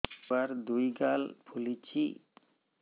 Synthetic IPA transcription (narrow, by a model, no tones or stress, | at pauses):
aɾd̪ujɡalpʰulit͡ɕʰi